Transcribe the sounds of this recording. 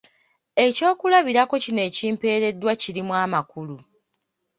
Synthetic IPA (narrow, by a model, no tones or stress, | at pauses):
e̞co̞ːkulaβiɾako̞cine̞ːciːmpe̞ːɾe̞dːwaciɾimwaːmakulu